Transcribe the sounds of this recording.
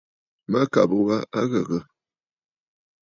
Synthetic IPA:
ma˦ka˨bə˨wa˦ʔa˦ɣə˨ɣə˦

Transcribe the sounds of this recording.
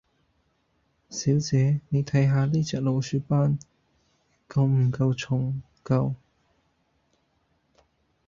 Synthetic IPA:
siː˨˥wt͡sɛː˨˧ne˨˧jt̪ʰɐ˨˥jɦaː˨˧liː˥t͡sɛː˨k̚lo˨˧wsyː˧paː˥n | kɐ˧wm̩˨˩kɐ˧wt͡sʰʊ˨˩ŋ | kɐ˧w

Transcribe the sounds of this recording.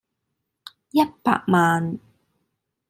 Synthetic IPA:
jɐ˥t̚pa̰ː˧k̚maː˨˧n

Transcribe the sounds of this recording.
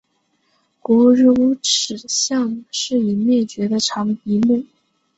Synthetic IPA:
kwɔ˧˥˧ɻ̩˥˧u˧˥ʈ͡ʂʰɻ̩˨˩ɕjɑ˥˧ŋʂɻ̩˥˩i˨˩mjɛ˥˩t͡ɕɥɛ˧˥d̪ə˧ʈ͡ʂʰɑ˧˥ŋpi˧˥mu˥˩

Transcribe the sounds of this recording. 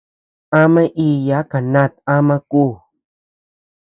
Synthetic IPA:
ã˦mã˦ʔi˧ja˨˦ka˨nã˦˨t̪ã˦mã˧kuː˦˨

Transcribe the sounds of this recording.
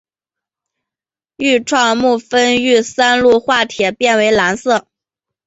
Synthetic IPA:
y˥˧ʈ͡ʂʰwɑ˥˧ŋmu˥˩fə˥ny˥˩sa˥nlu˥˧xwa˥˩t̪ʰjɛ˨˩pjɛ˥˩nwe˧˥ɪla˧˥nsɤ˥˩

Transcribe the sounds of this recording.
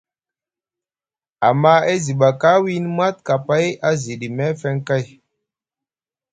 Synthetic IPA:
a˨ma˦e˦zi˨ɓa˨ka˦wi˦n˦mwa˦t̚ka˨pa˦ja˦zi˨ɗi˨mɛ˦fɛ˦ŋka˦˨j

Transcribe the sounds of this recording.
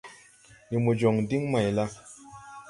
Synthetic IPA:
ni˨mu˨d͡ʒo˨ŋdi˦ŋma˨jla˦

